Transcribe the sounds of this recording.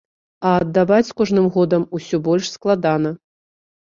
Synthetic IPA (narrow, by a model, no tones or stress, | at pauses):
ɐːd̪ːavat͡sʲkɔʐnɨmɣɔd̪ɐmusʲɔbɔlʲʂsklˠad̪anɐ